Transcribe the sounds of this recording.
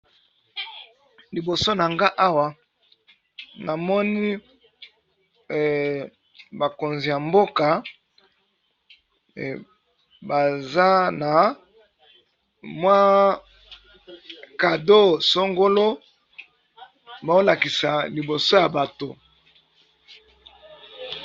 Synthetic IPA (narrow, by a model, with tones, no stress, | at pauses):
li˨bo˨so˦na˨ŋɡa˦ʔa˦wa˨ | na˨mɔ˦ni˦ | ba˨ko˨nzi˨ja˨mbo˦ka˨ | ba˨za˦na˨ | mwa˦ | ka˨do˦so˦ŋɡo˦lo˦ | ba˨o˦la˨ki˨sa˨li˨bo˨so˦ja˨ba˨to˨